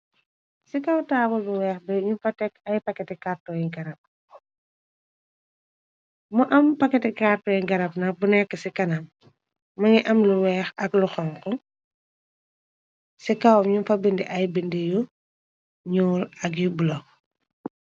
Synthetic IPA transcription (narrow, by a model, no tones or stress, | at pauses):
sikawtaːbɔlbuwɛːxbɛɲunfɐtɛkɐjpɐkːɛtɛkartɔjiŋɡɐnɐp̚ | mɔʔɐmpɐkːɛtɛkartɔːjiŋɡɐnɐp̚nɐk̚bunɛkːəsikɐnam | mɐŋiʔɐmluwɛːxɐkluxɔŋkɔ | sikawmɲunfɐbindiʔɐjbindiju | ɲuːɾɐkjubulɔk